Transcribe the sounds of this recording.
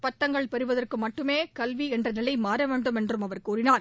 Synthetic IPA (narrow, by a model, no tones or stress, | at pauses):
pɐʈ̪ːɐŋɡɐɭpɛɾɯʋɐðɐrkɯmɐʈːɯmeːkɐlʋiɛndrɐnɪlɐɪmaːɾɐʋeːɳɖɯmɛndrɯmɐʋɐɾkuːɾɪnaːɾ